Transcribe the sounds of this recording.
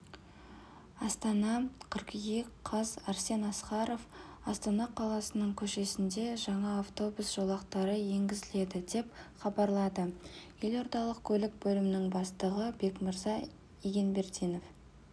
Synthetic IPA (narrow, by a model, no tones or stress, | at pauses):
ɑst̪ɑnɑqʰəɾqjekqʰɑzɑɾse̞nɑsqɑɾo̞f | ɑst̪ɑnɑqʰɑlˠɑsənəɴkʲʰɵʃe̞sɪnd̪e̞ʒɑɴɑːft̪o̞busʒ̥olˠɑqt̪ɑɾəje̞ŋɡʲɪzɪle̞d̪ɪd̪e̞pχɑbɑɾlˠɑd̪əje̞lo̞ɾd̪ɑlˠəq̚kʲʰɵlɪk̚bɵlɪmɪnɪŋbɑst̪əʁəbe̞kməɾzɑ | iɡʲe̞nbe̞ɾt̪ijno̞f